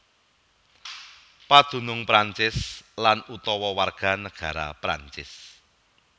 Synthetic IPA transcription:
pad̪̥ṳnʊŋpɾaɲt͡ʃɪslanut̪ɔwɔwarɡ̥a̤nəɡ̥a̤ɾa̰pɾaɲt͡ʃɪ̰s

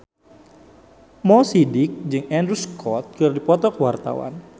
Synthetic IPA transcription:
mɔsidɪk̚d͡ʒɨŋɛndɾuskʰɔt̪̚kɨrdipɔt̪ɔkəwart̪a̰wa̰n

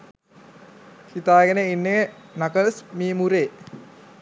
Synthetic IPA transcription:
hit̪aːɡenəinːeənakəlsmiːmuɾeː

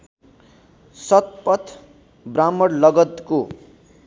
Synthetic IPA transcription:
sʌt̪̚pʌt̪ʰ | bramʌɽlʌɡʌt̪ko

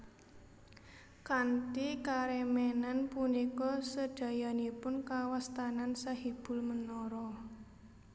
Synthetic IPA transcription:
kant̪ikaɾɛmɛnanpunikɔsəɖ̥a̤janipʊnkawast̪anansahib̥ʊ̤lmənɔɾɔ

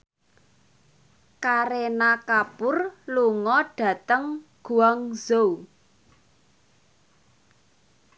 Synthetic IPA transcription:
kaɾenakapʊrluŋɔɖ̥ä̤t̪əŋɡ̥uaŋz̥o

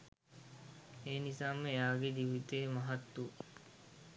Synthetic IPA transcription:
eːnisaːməjaːɡed̪iʋit̪eːmɐɦɐt̪ːu

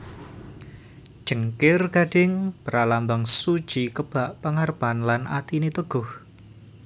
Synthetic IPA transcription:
d̥ʒ̥əŋkɪrɡ̥a̤d̥ɪŋpəɾalambaŋsud̥ʒ̥ikəb̥a̤ʔpəŋarb̥anlanʔat̪init̪əɡ̥ʊh

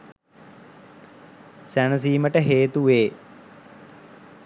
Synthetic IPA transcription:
sænəs̬iːməʈəɦeːt̪uʋeː

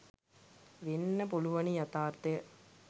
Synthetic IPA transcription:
ʋenːɐpoluʋɐnijɐt̪aːɾt̪ɐjɐ

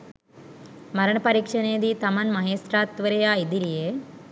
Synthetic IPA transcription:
mɐɾɐɳɐpɐɾiːkʂɐneːd̪it̪ɐmɐnmɐɦeːsɾaːt̪ːʋɐɾɐjaːid̪iɾijeː

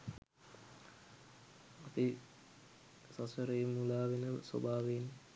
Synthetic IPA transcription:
ap̪i | sasəɾejmːulaːʋenəso̰baːʋeːnː

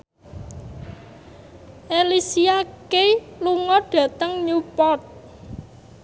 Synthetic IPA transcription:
ʔelisiakeluŋɔɖ̥ä̤t̪əŋɲupɔt̪̚

